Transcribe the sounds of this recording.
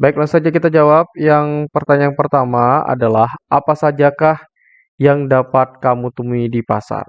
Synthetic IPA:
baiklaŋsad͡ʒakit̪ad͡ʒawap̚jaŋpərt̪aɲajaŋpərt̪amaa̰dalahʔapasad͡ʒakah | jaŋdapat̪̚kamut̪əmuidipa̰sa̰r

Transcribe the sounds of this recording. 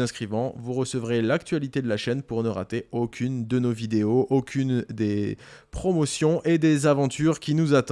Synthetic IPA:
ɛ̃skχivɑ̃vuʁəsəvʁelakt̪ɥalit̪ed̪əlaʃɛnpuʁnəʁa̰t̪eokʲynd̪ənovid̪eoʔokʲynd̪epχɔmɔsjɔ̃ʔed̪ezavɑ̃t̪ʰyʁkʲinuzat̪

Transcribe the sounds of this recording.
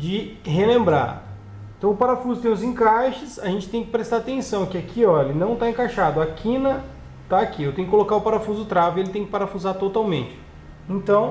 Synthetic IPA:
d͡ʒɪɦenẽmbɾa̰ɾ | eẽt̪ɐ̃w̃ʊpaɾafuzʊt̪ẽj̃ʊzĩkaʃɪsaʒẽnt͡ʃɪ̥t̪ẽj̃kɪ̥pɾest̪aɾat̪ẽsɐ̃w̃kɪakʰiɔelɪnɐ̃w̃t̪aẽkaʃad̪ʊakʰĩnɐ | t̪aːkiewt̪ẽj̃ʊkɪkolokaɾʊpaɾafuzʊʊt̪ɾavɪelɪt̪ẽj̃kɪpaɾafuzaɾt̪ot̪awmẽnt͡ʃɪ̥ | ẽnt̪ɐ̃w̃

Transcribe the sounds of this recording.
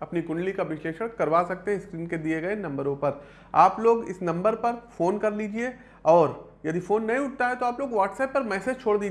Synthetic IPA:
ɐpnikʊ̃ɳɖlikaʋɪʃleːʃəɽ̃kɐɾʋaːsɐk̚t̪eɦɛ̃ɪskɾiːnked̪ieɡɐenɐ̃mbəɾõpɐɾ | aːploːɡɪ̰snɐ̃mbəɾpɐɾfoːnkɐɾliːd͡ʒie | ɔːɾjɐd̪ifoːnːɐɦĩʊʈ̚t̪aɦɛt̪oaːploːɡʋaːʈsɛːpːɐɾmɛːseːd͡ʒt͡ʃʰoːɽd̪iː

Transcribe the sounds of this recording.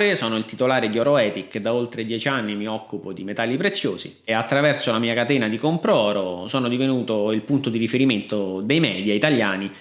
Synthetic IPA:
ɾesɔːnoilt̪it̪olaːɾed̪iɔɾoɛːt̪ikʰːed̪ːaolt̪ɾed̪jɛt͡ʃanːimiɔkʰːupod̪imet̪alːipɾet̪sːjoːzḭat̪ːɾavɛrsolamiːakat̪ɛːnad̪ikompɾɔːɾosɔːnod̪ivenuːt̪oilpunt̪od̪irifeɾiment̪od̪ejmɛːd̪jiait̪aljaːni

